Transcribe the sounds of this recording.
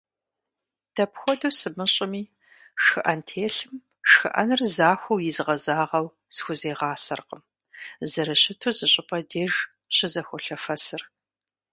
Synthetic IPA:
d̥ʰɐpxʷɔduːsɨmɨɕʼɪmiː | ʂɨʔɐntʰeːɬɨm | ʃxɨʔɐ̰nɨrzaːxʷɐwjɪzʁɐzaːʁɐw | sxʷʊzeːʁɑːsɐ̰rqəm | zɐɾɨɕɪtʰuzɨɕʼɪpʼʰɐdeːʒ | ɕɪzɐxʷʊɬɐfɐsɨr

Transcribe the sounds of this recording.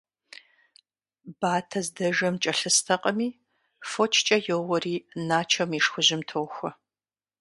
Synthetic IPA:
baːtʰɐzdɐʒɐmt͡ʃʼɐɬɨstʰɐqʼɐmiː | fot͡ʃʰt͡ʃʼɐjowɔriːnaːt͡ʃʰɐmiʂxʷʊʑɪmtʰoːxʷɐ

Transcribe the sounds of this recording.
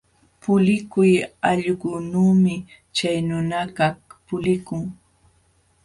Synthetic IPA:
pʊlɪkʊjaʎɢʊnuːmɪ | t͡ʃajnʊnakahpʊlɪkʊŋ

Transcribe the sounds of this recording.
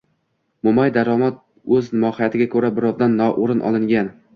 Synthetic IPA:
momajd̪aɾɒmat̪̚ | ɵzmɒhɪjat̪ʰɪɡʲakʰɵɾabɪɾɒvd̪anːɒʔoɾɪnʔɒ̰lˠɪŋɡʲan

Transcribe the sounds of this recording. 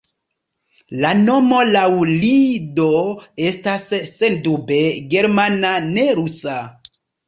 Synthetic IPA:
lano̞mo̞lawlidoe̞stasːe̞ndube̞ɡe̞ɾmanane̞ɾusa

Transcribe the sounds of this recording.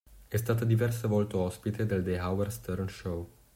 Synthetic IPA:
ɛst̪aːt̪ad̪ivɛrsevɔlt̪oɔspit̪ed̪eld̪ejɦawɛrst̪ɛrnʃow

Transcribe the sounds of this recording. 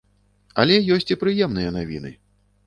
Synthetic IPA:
ɐlʲɛjɔsʲt͡sʲipɾɨjɛmnɨjɐnavʲḭnɨ̰

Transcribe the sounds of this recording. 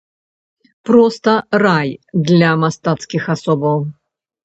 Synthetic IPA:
pɾɔst̪ərajd̪lʲamast̪at̪skʲɪxasɔbəw

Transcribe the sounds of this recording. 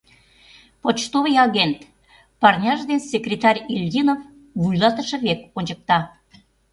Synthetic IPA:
pot͡ɕt̪oβəjɑɣent̪ | pɑrnʲɑʒd̪ensekrʲet̪ɑrʲilʲd̪ʲinof | βujlɑt̪əʃə̆βekonʲt͡ɕək̚t̪ɑ

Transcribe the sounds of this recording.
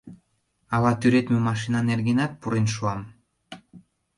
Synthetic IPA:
ɑlɑt̪yɾet̪mømɑʃinɑnerɣenɑt̪̚puɾenʃuɑm

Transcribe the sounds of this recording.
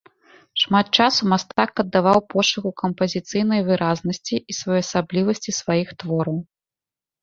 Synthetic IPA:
ʂmat̪̚t͡ʂasumast̪akːɐd̪ːavawpɔʂɨɣukɐmpɐzʲit̪sɨjn̪ɐjvɨɾaznɐsʲt͡sʲiʔisvajɔjɐsablʲivɐsʲt͡sʲisvajixt̪vɔɾɐw

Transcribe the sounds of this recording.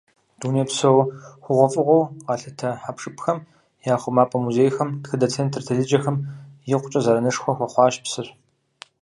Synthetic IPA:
d̥uːnipsɐwχʷʊʁʷɔfʼɨʁʷɔwʁɑːɬɐtʰɐħapʂɨpxɐm | jaːχʷʊmaːpʼɐmuzeːjxɐmtxɨdɐt͡sʰeːntʰrtʰɐɮɨd͡ʒɐxɐmjɪqʷʊt͡ʃʼɐzɐɾɐnɨʂxʷɔxʷɔχʷɑːʃpsɨɕʷ

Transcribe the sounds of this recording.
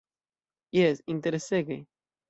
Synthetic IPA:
jesint̪eɾeseɡḛ

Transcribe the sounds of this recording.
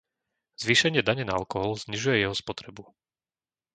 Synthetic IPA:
z̥ʋiːʃɛɲɪɛd̪aɲɛnaa̰lkɔɦɔlzɲiʒujɛjɛɦɔspɔt̪ɾɛbu

